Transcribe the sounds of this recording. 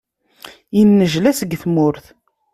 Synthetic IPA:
jinːəʒlæsəɡθmʊɾθ

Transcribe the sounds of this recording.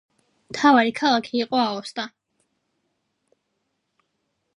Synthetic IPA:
mt̪ʰavaɾikʰalˠakʰiːqʼɔaɔst̪ʼa

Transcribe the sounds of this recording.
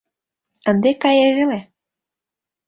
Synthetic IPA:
ə̆nd̪ekɑjeɣele

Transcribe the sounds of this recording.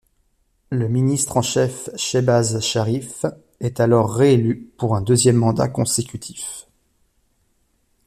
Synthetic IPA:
ləminist̪χɑ̃ʃɛfʃebazʃaʁif | ɛt̪alɔʁːeelypuʁɛ̃d̪øzjɛmːɑ̃d̪a̰kɔ̃sekʲyt̪ʰi̥f

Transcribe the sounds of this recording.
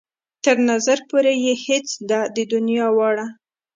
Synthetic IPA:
t̪əɾnazaɾpoɾejehet͡sd̪ɑd̪əd̪ʊnjɑwɑɽa

